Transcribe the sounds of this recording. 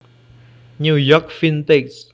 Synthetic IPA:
ɲijɔk̚fint̪iks

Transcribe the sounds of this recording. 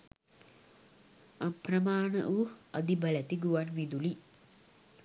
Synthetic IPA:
amprəmaːnə̰ʔuad̪ibəlæt̪iɡuʋanʋid̪uli

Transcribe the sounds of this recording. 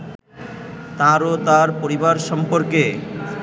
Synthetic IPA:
t̪aɾot̪aɾpoɾibaɾʃɔmpoɾke

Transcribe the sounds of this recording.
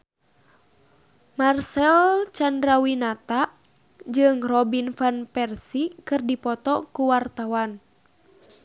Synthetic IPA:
marsɛlt͡ʃandɾawinat̪a | d͡ʒɨŋrɔbinfanpɛrsikɨrdipɔt̪ɔkuwart̪awan

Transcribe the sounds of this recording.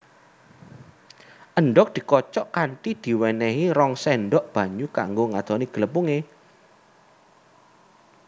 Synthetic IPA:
ʔəɳɖɔk̚d̪̥i̤kɔt͡ʃɔʔkaɳʈid̪̥i̤wɛnɛɦiɾɔŋsɛnɖɔʔb̥ä̤ɲuka̰ŋɡoŋad̪̥ɔniɡ̥ə̤ləpuŋe

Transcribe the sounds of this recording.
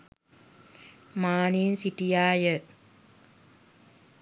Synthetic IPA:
maːninsiʈijaːjə

